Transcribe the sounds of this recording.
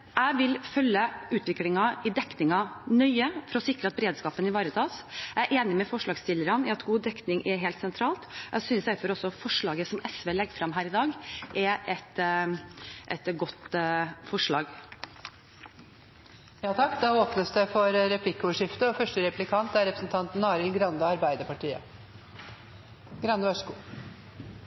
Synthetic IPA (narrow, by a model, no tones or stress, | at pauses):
æɪʋɪlfœlːəʉːt̪ʰʋɪklɪŋɑɪd̪ɛknɪŋɑnœʏəfɔɾɔsɪkɾəɑt̪bəɾeːd̪skɑːpənɪʋɑːɾət̪ʰɑːsææɾʔeːnɪmɛfɔʂɭɑːɡst̪ɪlːəɾɑnɪɑt̪ɡuːd̪ɛknɪŋʔɛɾɦɛːlt̪sɛnt̪ʰɾɑːlt̪ʔæ̰syːnsæɪfɔɾɔsɔfɔʂɭɑːɡəsɔmɛsʋɛːlɛɡːfɾɑmɦæːɾɪd̪ɑːɡʔɛɾʔɛt̪ | ʔɛ̰t̪ɡɔt̪fɔʂɭɑ̰ːɡ | jɑːt̪ʰɑkːd̪ɑːoːpnəsd̪ɛfɔɾɾɛpʰlɪkːoːʋəʂɪft̪əɔfœʂʈəɾɛplɪkʰɑnt̪æɾɛpɾəsnt̪ʰɑnt̪nɑːɾɪlɡɾɑnd̪əɑɾbæɪd̪əpɑʈʰiːə̰ | ɡɾɑnd̪əʋæʂə̥kuː